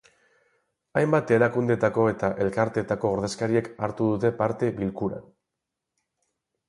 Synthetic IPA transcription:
ajmbat̪e̞ɾakund̪e̞t̪ako̞e̞t̪aʔe̞lkaɾt̪et̪ako̞oɾðe̞skaɾie̞kaɾt̪uðut̪e̞paɾt̪e̞βilkuɾa̰n

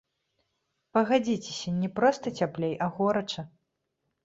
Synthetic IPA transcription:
pɐɣad͡zʲit͡sʲe̥sʲɐnʲɛpɾɔst̪ɐt͡sʲaplʲejɐɣɔɾɐt͡ʂɐ

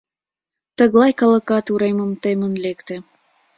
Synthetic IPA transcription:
t̪əɣlɑjkələ̆kɑt̪uɾeməmt̪emənlekt̪e

